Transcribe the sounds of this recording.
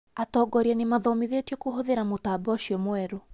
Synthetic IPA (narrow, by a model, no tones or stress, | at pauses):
atɔɡɔɾianimaðɔmiðetwjɔkuɦoðeɾamutabɔʃiɔmwɛɾu